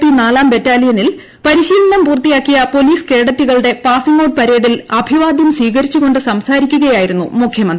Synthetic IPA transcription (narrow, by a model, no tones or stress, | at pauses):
pinaːlaːmbe̞tːaːlijɐnil | pɐɾiɕiːlɐɳɐmpuːrt̪ːijaːkːijɐpo̞liːske̞ːɽɐt̪ːiɣɐɭɽe̞paːsɐŋoːɖ̚pɐɾe̞ːɽilɐbʱiʋaːd̪jɐmsʋiːɣɐɾit͡ɕːuɣo̞ɳɖɨsɐmsaːɾikʲːuɣɐjaːjiɾunːumukʰjɐmɐnd̪i